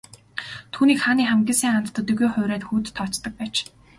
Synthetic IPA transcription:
t̪ʰuːniːkχaːniːχæmɡʲiːnsiːŋant̪t̪ə̆t̪ːɵɣujχʊ̟wɾæːt̪xuːt̪ʰːɔt͡ɕt̪ə̆k̚pæːt͡ɕ

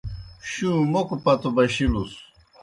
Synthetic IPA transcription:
ɕũːmokupɐt̪obɐɕilus

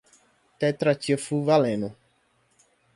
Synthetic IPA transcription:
t̪ɛt̪ɾat͡ʃiəfuvalẽno

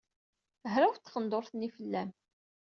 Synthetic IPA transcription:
ɦɾæwt͡s̪ːχənd̪oɾθnifəlːæm

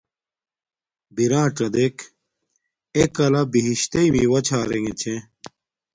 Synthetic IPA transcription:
biɾãːʈ͡ʂɐd̪ek | ekɐlɐbiɦiɕt̪eimḭwɐt͡ɕʰaːɾeŋet͡ɕʰẽ

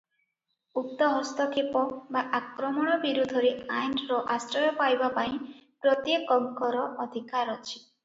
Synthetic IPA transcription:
up̚t̪ɔɦɔst̪ɔkʰepɔbaʔakɾɔmɔɽ̃ɔbiɾud̪ʱɔɾeʔajnɾɔʔasɾɔjɔpajbapaĩpɾɔt̪jekɔŋkɔɾɔʔɔd̪ʱikaɾɔt͡ʃʰi̥

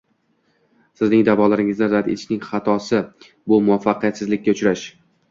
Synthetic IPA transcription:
sɪznɪŋd̪avɒlaɾɪŋɪznɪɾat̪et͡ʃʰnɪŋχɑt̪ʰɒsɪ | bʊmʊafːɑqijat̪sɪzlɪkʲːaʊt͡ʃɾaʃ

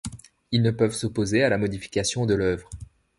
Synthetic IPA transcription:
ilnəpœvsopozealamɔd̪ifi̥kʲasjɔ̃d̪əlœvʁ

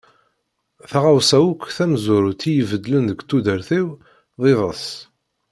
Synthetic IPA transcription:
θaʁawsæwukʷːθæmzʊɾʊt̪ːijəvəd̪ːlənðəɡt̪ːud̪əɾθiw | ðˤeðˤəs

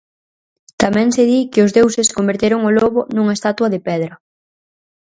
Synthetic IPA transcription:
t̪amɛ̃ŋseðikɪʊzðewseskombeɾt̪eɾoŋʊloβʊnuŋɐest̪at̪wɐðepɛðɾɐ

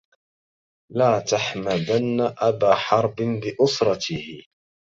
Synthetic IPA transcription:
laːt̪aħmad̪anːaʔabaːħɑɾˤbɪnbɪʔʊsɾˤɑt̪ɪhɪ

